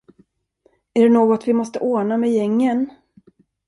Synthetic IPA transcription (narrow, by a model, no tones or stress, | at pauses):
æɖɛnoːɡɔt̪vɪmɔst̪əʔoːɳamɛjɛŋːən